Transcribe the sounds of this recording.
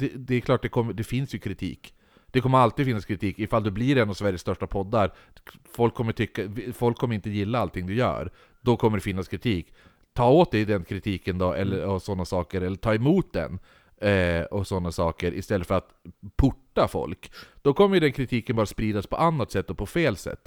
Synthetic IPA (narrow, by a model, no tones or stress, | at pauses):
d̪ɛd̪ɛɛkʰlɑːʈ̚d̪ɛkʰɔmːəɖ̪ɛfɪnsjɵkʰɾɪt̪ʰḭːk | d̪̥ɛkʰɔmːəɾalt̪id̪fɪnːaskʰɾɪt̪ʰiːkɪfald̪ɵbliɾɛnːavsvæɾjəst̪œʂʈapʰɔd̪ːaɾ | fɔlkʰːɔmːəʈʰʏkːafɔlkʰːɔmːəɾɪnt̪əjɪlːaalt̪ʰɪŋd̪ɵjœ̰ːɾ | d̪̥ɔkʰɔməɖɛfɪnːaskʰɾɪt̪ʰiːk | t̪ʰɑːoːt̪̚d̪ɛjd̪ɛnkʰɾɪt̪ʰiːkənd̪ɔʔɛ̰lːəɾɔsɔnːasɑːkəɾɛlːəʈʰɑːɛmuːt̪̚d̪ɛ̰n | ɔsɔnːasɑːkəɾʔɪ̰st̪ɛlːət̪fœɾat̪pʰʊʈːafɔ̰lkd̪̥ɔkʰɔmːəjɵd̪ɛnkʰɾɪt̪ʰiːkənbɑːɾaspɾiːd̪aspʰɔʔanːat̪sɛt̪ːɔpʰɔfeːlsɛ̰t̪ː